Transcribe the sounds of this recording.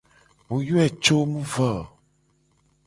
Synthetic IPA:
wo˨ju˦ɛ˨t͡ʃo˦mũ˦və˨

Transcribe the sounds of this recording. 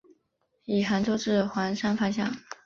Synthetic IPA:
i˨˩xa˧˥nʈ͡ʂo˥ʈ͡ʂɻ̩˥˩xwa˧˥nʂa˥nfa˥ɕjɑ˥˩ŋ

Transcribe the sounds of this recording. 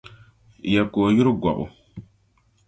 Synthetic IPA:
jɛ˨koː˨ju˦ɾʊ˦ɡa̰˨bʊ̰˨

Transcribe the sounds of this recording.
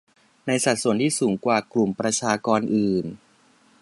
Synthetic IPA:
na˧jsa˨˩t̪̚su˨˩ənt̪ʰiː˥˩suː˩˦ŋkwaː˨˩klu˨˩mpɾa˧t͡ɕʰaː˧kɔː˧nʔɯː˨˩n

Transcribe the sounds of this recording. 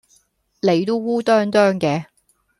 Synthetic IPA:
le˨˧jt̪o˥wuː˥t̪œː˥ŋt̪œː˥ŋkɛː˧

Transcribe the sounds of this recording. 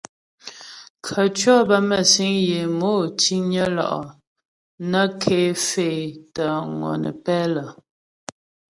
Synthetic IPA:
kʰə˨t͡ʃɥɔ˦bə˦mə˦˨si˨˦ŋje˨moː˦ti˦ɲə˦lɔ̰˨ʔɔ̰˨ | nə˦kʰe˨˦fe˨tə˨ŋɔ̰˨nə̰˨pɛ˦lə˨

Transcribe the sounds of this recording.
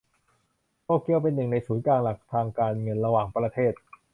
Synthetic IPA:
t̪oː˥˩ki˧˥əwpe˧nːɯ˨˩ŋna˧jsuː˩˦nklaː˧ŋla˨˩k̚t̪ʰaː˧ŋkaː˧nŋɤ˧nɾa˧waː˨˩ŋpɾa˧t̪ʰeː˥˩t̪̚

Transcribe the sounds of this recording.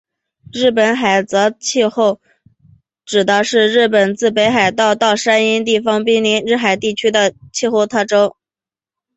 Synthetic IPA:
ɻɻ̩˥˩pə˧˩nxa˨˩ɪt͡sɤ˧˥t͡ɕʰi˥˧xo˥˩ʊ | ʈ͡ʂɻ̩˨˩d̪ə˧ʂɻ̩˥˧ɻɻ̩˥˩pə˨˩nt͡sɹ̩˥˩pe˧˥ɪxa˨˩ɪt̪ɑ˥˧ʊt̪ɑ˥˧ʊʂa˥ni˥nt̪i˥˩fɑ˧˥ŋpi˥ŋli˧˥nɻɻ̩˥˩xa˨˩ɪt̪i˥˩t͡ɕʰy˥d̪ə˨t͡ɕʰi˥˧xo˥˧ʊt̪ʰa˥ʈ͡ʂo˥ʊ

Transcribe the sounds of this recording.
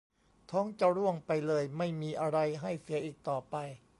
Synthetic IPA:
t̪ʰɔː˦˥ŋt͡ɕa˧ɾu˥˩əŋpa˧jlɤː˧jma˥˩jmiː˧ʔa˧ɾa˧jɦa˥˩jsi˩˦ɐʔiː˨˩k̚t̪ɔː˨˩pa˧j

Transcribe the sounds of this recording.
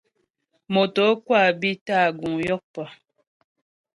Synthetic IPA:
mo˨to˨˦kwa˦˨bi˦ta˦˨ɡu˨ŋjɔ˦k̚pɔ˨

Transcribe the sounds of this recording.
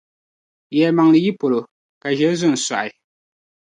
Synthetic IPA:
jɛ˨ma˨ŋlɨ˨ji˦po˨lo˨ | ka˨ʒɛ˦zʊ˦n̩˨sa̰˨ʔɪ˨

